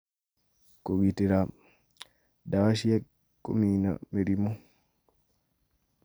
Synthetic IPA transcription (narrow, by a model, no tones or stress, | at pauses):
koɡitiɾa | dawaʃijɛ | kːo̰mina̰meɾimo